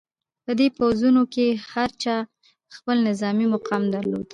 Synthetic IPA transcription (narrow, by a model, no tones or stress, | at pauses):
pəd̪epawzunokehaɾt͡ʃɑ | xpəlnɪzɑmimʊqʰɑmd̪aɾlo̰d̪